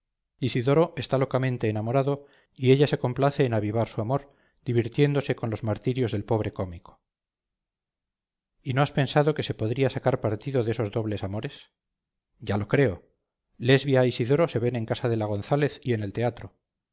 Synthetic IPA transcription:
isiðo̞ɾo̞ʔe̞st̪alo̞kamẽ̞nt̪e̞ːnamo̞ɾaðo̞ | ie̞ʎase̞ko̞mplaθe̞ːnaβiβ̞aɾsuamo̞ɾ | d̪̥iβ̞iɾt̪je̞nd̪o̞se̞ko̞nlo̞zmaɾt̪iɾjo̞zðe̞lpo̞β̞ɾe̞ko̞miko̥ | ino̞aspe̞nsaðo̞ke̞se̞po̞ðɾiasakaɾpaɾt̪iðo̞ðe̞so̞zðo̞βle̞samo̞ɾe̞s | ɟ͡ʝalo̞kɾe̞o | le̞zβjaisiðo̞ɾo̞se̞βe̞nẽ̞ŋkasaðe̞laɣ̞o̞nθale̞θie̞ne̞lt̪e̞at̪ɾo

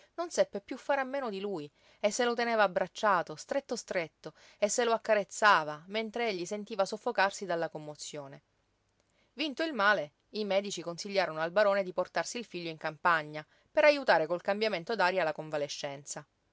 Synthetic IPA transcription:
nonsɛpːepjufːaɾamːeːnod̪iluj | esːelot̪eneːvaːbɾat͡ʃːaːt̪ost̪ɾet̪ːost̪ɾet̪ːo | esːeloakːaɾet̪sːaːvament̪ɾeeʎːisent̪iːvasofːokarsid̪alːakomːot̪sːjoːne | vint̪oilmaːle | imɛːd̪it͡ʃikonsiʎːaːɾonoalbaɾoːned̪iport̪arsiːlfiʎːoiŋkampaɲːa | peɾajut̪aːɾekolkambjament̪od̪aːɾjalakoɱvaleʃːɛnt̪sa

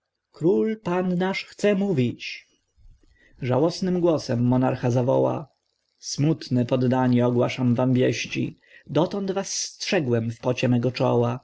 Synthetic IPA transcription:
kɾulpannaʂxt̪sɛmuvʲit͡ɕ | ʐawɔsnɘmɡwɔsɛmːɔnaɾxazavɔ̰wa̰ | smut̪nɛpɔd̪ːaɲɛɔɡwaʂamvambʲjɛɕt͡ɕḭ | d̪ɔt̪ɔnd̪vasːtʂɛɡwɛmfpɔt͡ɕɛmɛɡɔt͡ʂɔ̰wa

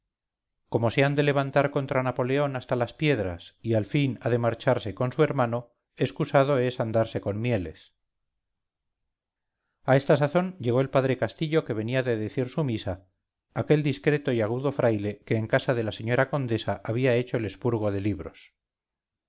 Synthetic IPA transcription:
ko̞mo̞seand̪e̞le̞βant̪aɾko̞nt̪ɾanapo̞le̞o̞nast̪alaspje̞ðɾa̰sialfinaðe̞maɾt͡ʃaɾse̞ko̞nsue̞ɾmano | e̞skusað̞o̞e̞sand̪aɾse̞ko̞nmje̞le̞̰s | ae̞st̪asaθo̞nʎe̞ɣo̞e̞lpaðɾe̞kast̪iʎo̞ke̞β̞e̞niaðe̞ðe̞θiɾsumisaː | ke̞ld̪iskɾe̞t̪o̞iaɣ̞uðo̞fɾʔajle̞ke̞ːŋkasaðe̞lase̞ɲo̞ɾako̞nd̪e̞saʔaβiae̞t͡ʃo̞ele̞spuɾɣ̞o̞ðe̞liβɾo̞̰s

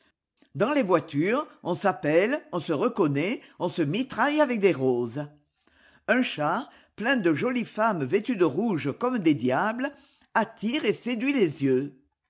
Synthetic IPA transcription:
d̪ɑ̃levwat̪yʁəɔ̃sapɛlɔ̃səʁəkɔnɛɔ̃səmit̪χajavɛk̚d̪eʁoz | ɛ̃ʃaʁ | plɛ̃d̪əʒɔlifamvet̪yd̪əʁuʒəkɔmd̪ed̪jablə | at̪iʁesed̪ɥilezjø

